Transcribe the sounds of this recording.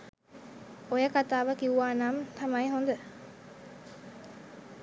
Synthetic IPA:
ojəkat̪aːʋəkiuʋaːnamt̪amajɦond̪ə

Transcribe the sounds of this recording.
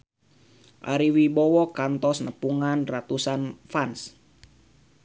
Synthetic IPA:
ʔa̰ɾiwibɔwɔkant̪ɔsnəpuŋanrat̪usanfans

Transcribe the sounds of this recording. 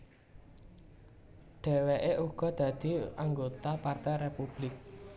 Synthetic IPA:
ɖ̥ɛ̤weʔeʔuɡ̥ɔ̤d̪̥ä̤d̪̥i̤aŋɡot̪apart̪ɛjrepub̥lɪk̚

